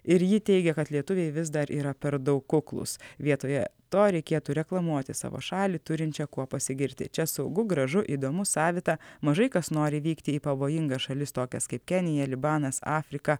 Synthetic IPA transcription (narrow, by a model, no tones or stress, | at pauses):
ɪɾjɪt̪ʲɛɪɡʲɛkɐt̪lʲiɛt̪ʊʋʲeɪʋʲɪzd̪ɐɾʔiːɾɐpʲɛɾd̪ɐʊkːʊklˠʊ̰sʋʲiɛt̪oːjɛt̪oːɾʲɛɪkʲeɛt̪uːɾʲɛklˠɐmuɔt̪ʲɪsɑ̰ːʋo̰ʃɑːlʲit̪ʊɾʲɪnʲt͡ʃʲɛkuɔpɐsʲɪɡʲɪɾʲt̪ʲɪ̰t͡ʃʲɛsɐʊɡʊɡɾɐʒʊʔiːd̪oːmʊsɑːʋʲɪt̪ɑmɐʒɐɪkɐsnoːɾʲɪʋʲiːkt̪ʲɪiːpɐʋoːjɪŋɡɐʃɐlʲɪst̪oːkʲɛskɐɪpkʲɛnʲɪjɛlʲɪbɑːnɐsɑːfʲɾʲɪkɐ